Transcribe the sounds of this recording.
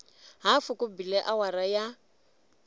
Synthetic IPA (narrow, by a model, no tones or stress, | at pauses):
ɦafʊkʊbilɛʔawaɾaja